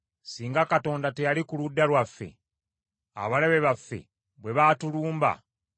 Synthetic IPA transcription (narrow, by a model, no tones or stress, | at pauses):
siːŋɡakato̞ːndatejalikuludːalwafːe̞̰ | a̰βale̞βe̞βafːe̞̰ | βwe̞βatuluːmba̰